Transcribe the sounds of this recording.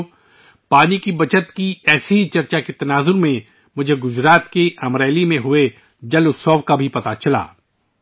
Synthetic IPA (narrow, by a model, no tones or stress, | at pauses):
paːnikibɐt͡ʃət̪kiɛːseit͡ʃɐɾt͡ʃaket̪ɐnaːzʊɾmẽ | mʊd͡ʒʱeɡʊzɾaːt̪keʔɐmɾɛːlimẽɦʊe | d͡ʒɐlʊsɔːfkabʱipɐt̪at͡ʃɐla̰ː